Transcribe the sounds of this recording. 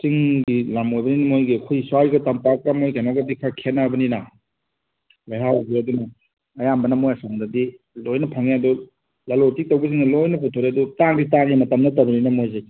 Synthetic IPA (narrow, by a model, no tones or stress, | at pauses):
t͡ʃiŋɡilamojbɐninɐmojɡikʰojsuajɡɐtampak̚ɾamojkajnɔɡɐdikʰakʰenːabɐninɐ | lajɦawɡiɐdunɐː | jambɐnɐmojɐsaŋdɐdi | lojnɐpʰaŋjadɔ | lɐlotik̚tɐwbɐziŋnɐlojnɐpʰutʰoɾeɐdutaŋditaŋimɐtɐmnɐtɐbɐninɐmojze